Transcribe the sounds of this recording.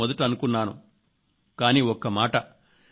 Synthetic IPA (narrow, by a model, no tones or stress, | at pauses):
ɔd̪ɐʈiɐnukunːaːnṵ | kaːniːɔkːɐmaːʈɐ